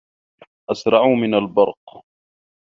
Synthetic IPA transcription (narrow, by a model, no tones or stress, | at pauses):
ʔasɾˤɑʕuːmɪnalbɑɾˤq